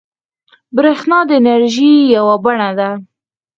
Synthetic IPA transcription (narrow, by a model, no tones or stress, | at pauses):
bɾexnɑd̪əɪnaɾʒijawabaɳad̪a